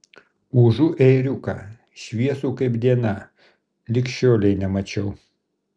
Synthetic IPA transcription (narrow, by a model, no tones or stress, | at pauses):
uːʒuʔɛɪɾʲʊkɑ | ʃʲʋʲiɛsuːkɐɪbd̪ʲiɛnɐ | lʲɪkʃʲt͡ʃʲoːlʲɛɪnʲɛmɐt͡ʃʲɛʊ